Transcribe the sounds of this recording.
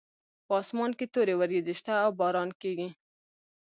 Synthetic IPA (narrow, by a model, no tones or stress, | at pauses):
pɑsmɑnket̪oɾewaɾɡizɪʃt̪aːwbɑɾɑnkeɡi